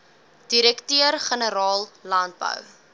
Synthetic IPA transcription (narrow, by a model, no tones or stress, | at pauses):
d̥iɾɛktøərχənəɾɑːllɐnd̚bə̰w